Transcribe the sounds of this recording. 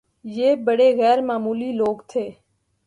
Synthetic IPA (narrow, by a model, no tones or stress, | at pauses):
jeːbəɽeːɣɛːɾmaːmuːliːloːɡt̪ʰeː